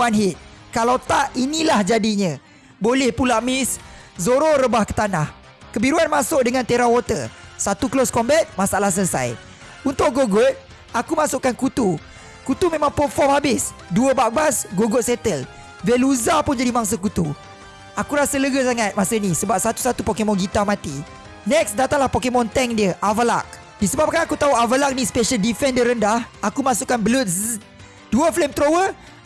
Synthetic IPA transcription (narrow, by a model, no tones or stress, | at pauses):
anɦit̪̚ | kalawt̪aʔinĩlahd͡ʒadiɲã | bolɛhpulaʔmɪszoɾoɾəbahkə̥t̪anah | kəbiɾuanmasʊʔ̚dəŋant̪eɾawot̪əsat̪uklɔskɔmbɛt̪̚masaʔalahs̬əsa̰j | unt̪ʊʔɡoɡɔt̪̚ | akumasʊʔkankut̪u | kut̪umẽmãŋpɔfɔmhabɪs | duəbaʔ̚basɡoɡʊt̪̚sɛt̪əl | vɛluzapʊnd͡ʒadimãŋs̬əkut̪u | akuɾasələɡəs̬aŋat̪̚masənĩsəbap̚sat̪u̥sat̪upokemɔ̃nɡit̪amãt̪i | nɛksdat̪aŋlahpokemɔ̃nt̪ɛŋdiəʔavəla̰k̚ | disəbap̚kanakut̪aɦuavəlak̚nispɛʃəldifɛndəɾəndahakumasuʔkanbəlut̪s | d̥uəflemt̪ɾowə